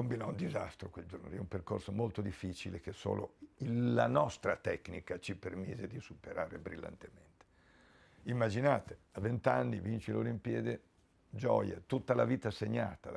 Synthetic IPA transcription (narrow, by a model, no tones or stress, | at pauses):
kombinɔund̪iza̰st̪ɾokweld͡ʒorno̰ɛumperkorsomolt̪od̪ifːit͡ʃilek̟eso̰ːlo̰ilːanɔst̪ɾat̪ɛknikat͡ʃipermiːzed̪isupeɾaːɾebɾilːa̰nt̪ement̪e̥ | imːad͡ʒinaːt̪e | avent̪anːivint͡ʃilolimpjɛːd̪e | d͡ʒɔ̰ja̰t̪ut̪ːalaviːt̪aseɲːaːt̪a